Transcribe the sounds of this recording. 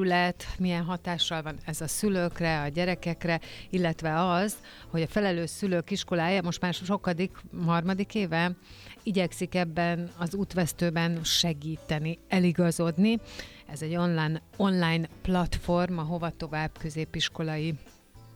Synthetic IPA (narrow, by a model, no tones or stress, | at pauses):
ylɛt̪mijɛnɦɒt̪aːʃːɒlvɒnɛzɒsyløkrɛɒɟɛɾɛkɛkrɛilːɛt̪ʋɛɒz | ho̞ɟɒfɛlɛløːʃsyløkiʃko̞laːjɒmo̞ʃt̪maːrʃo̞kɒd̪ikɦɒrmɒd̪ikeːvɛiɟɛksikɛbːɛnɒzuːt̪ʋɛst̪øːbɛnʃɛɡiːt̪ɛniɛliɡɒzo̞d̪ni | ɛzɛɟːo̞nlaːjno̞nlaːjnplɒt̪fo̞rmɒɦo̞vɒt̪o̞vaːb̥kø̞zeːpiʃko̞lɒji